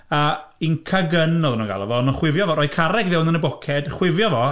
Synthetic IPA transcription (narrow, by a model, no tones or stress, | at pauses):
əinkʰaɡənɔðnɔɡa̰lˠɔvɔnɔχwɪvjɔvɔɾɔjkʰaɾɛɡvɛwnənəbɔkʰɛd̥χwɪvjɔvɔ